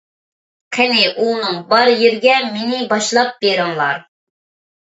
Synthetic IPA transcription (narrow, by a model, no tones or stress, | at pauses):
qʰɛnɪʔunɨŋbɑɾjeɾɡʲɛmenɪbɑʃlˠɑp̚beɾɪŋlˠɑɾ